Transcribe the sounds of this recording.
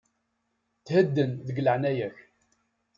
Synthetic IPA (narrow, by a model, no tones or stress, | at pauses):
θhəd̪ːənðəɡləʕnæjæç